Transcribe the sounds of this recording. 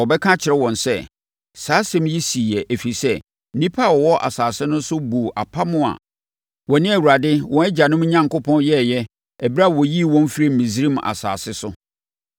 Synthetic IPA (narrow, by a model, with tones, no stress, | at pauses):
ɔ˨bɛ˦kʰã˦t͡ɕʰɪ˨ɾɛ˦wɔ̃˨nsɛ˦˨ | saː˨˦sɛ̃˦m˦ji˦si˨jɛ˨ʔæ˨fi˨sɛ˦ | nĩ˦pʰa˦˨wɔ˨wɔ˦ʔa̰˨saː˨sɪ˦nʊ̃˦n̩˦sʊ˦bu˨ʔa̰˨pʰa˦mʊ̃˦a̰˨ | wɔ˨nɪ̃˦æ˨wu˨ɾa˨dɪ˦wɔ̃˨ɛ˦d͡ʑa˨nʊ̃˦mɲã˦ŋkʊ˦pʰɔ̃˦njɛ˦˨jɛ˦ | ɛ˨bɾa˦˨wɔ˨ji˦˨wɔ̃˦n˦fi˦ɾe˦m̩˨mĩ˨sɾĩ˦m˨a̰˨sa̰ː˨sɪ˦sʊ˦